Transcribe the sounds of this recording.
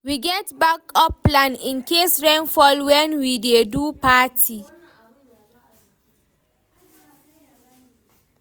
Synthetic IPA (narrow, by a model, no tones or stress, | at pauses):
wiɡɛtbakɔpːlãnĩnkesɹɛ̃nfɔlwɛ̃nwidedupatʰi